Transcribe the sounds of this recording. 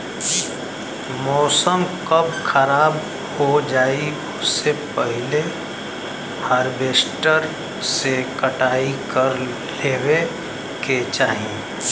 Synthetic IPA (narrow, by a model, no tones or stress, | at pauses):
mɔːsəmkəbxʰəɾaːb | hod͡ʒaːi | ʊsepəɦɪle | haːɾbeːsʈəɾ | sekəʈaːikəɾ | leːwe | ket͡ʃaːɦiẽ